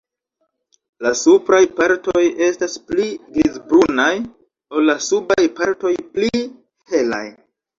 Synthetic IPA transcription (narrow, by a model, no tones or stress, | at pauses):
lasupɾajpaɾtoje̞staspliɡɾizbɾunaj | o̞lːasubajpaɾto̞jpli | he̞la̰j